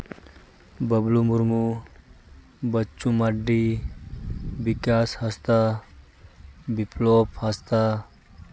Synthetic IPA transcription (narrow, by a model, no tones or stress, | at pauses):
bəblumuɾmu | bətːt͡ʃumaɖːi | ʋikashast̪a | biplophast̪a